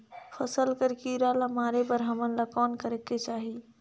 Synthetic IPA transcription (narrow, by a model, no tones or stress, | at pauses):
pʰəsəlkəɾkiɾalamaːɾepəɾɦəmənlakɔːnkəɾeket͡ʃaːɦi